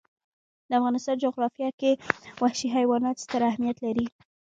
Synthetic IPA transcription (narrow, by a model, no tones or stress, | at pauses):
d̪əafɣɑnɪst̪ɑnd͡ʒʊɣɾɑfjɑkewahʃiɦajwɑnɑt̪st̪əɾahmijat̪laɾi